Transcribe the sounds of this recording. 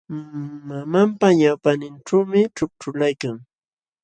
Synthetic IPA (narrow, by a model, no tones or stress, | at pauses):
mamampaɲawpanɪnʈ͡ʂawmɪʈ͡ʂʊk̚ʈ͡ʂʊlajkaŋ